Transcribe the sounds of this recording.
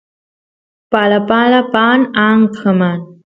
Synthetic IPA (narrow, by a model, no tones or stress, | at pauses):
palapalapaːnaːŋkʰəman